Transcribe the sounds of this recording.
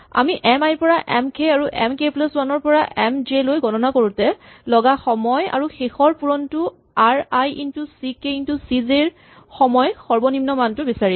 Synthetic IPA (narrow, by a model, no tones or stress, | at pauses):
a̰miʔɛmajɹpɔɹaʔɛmkʰeaɹuʔɛ̰mkepleswanɔɹpɔɹaʔɛmd͡ʒelojɡɔnɔnakoɹutɛlɔɡaxɔmɔja̰ɹuxexɔɹpuɹɔntʊ | aɹajḭntusikeintusizeɹ | xɔmɔjxɔɹbɔnimnɔmantʊbisaɹi